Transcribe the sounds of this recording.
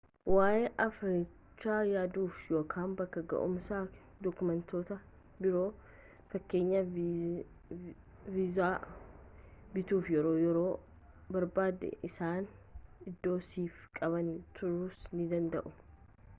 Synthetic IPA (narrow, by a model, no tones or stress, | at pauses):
waːʔeːʔɐfɾi | t͡ʃːaːjaːd̪uːfjo̞ːkʰaːnbɐkːɐɡɐ̰ʔʊ̰msaː | d̪ɔkʊmɛnt̪ʰo̞ːt̪ɐ | bɪɾo̞ː | fɐkːe̞ːɲːɐ | vɪzaː | bɪt̪uːfjɛɾo̞ːjɛɾo̞ː | bɐɾbaːd̪ɛ̰ʔɪsaːn | ɪd̪ːo̞ːsiːfkʼɐβɐnt̪ʰʊɾuːsnɪd̪ɐnd̪ɐʔʊ